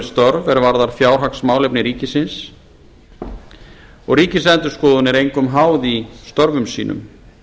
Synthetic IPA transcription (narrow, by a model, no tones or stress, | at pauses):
st̪ɔɾvɛɾvaɾðaɾ̥fjaːwɾ̥ɦaksmaːwlepnɪɾiːcɪsɪns | ɔɣɾiːcɪslɛnt̪ʏ̥skɔːðʏnɪɾejŋkʏmɦaːwðist̪ɔɾvʏmsḭːnʏ̰m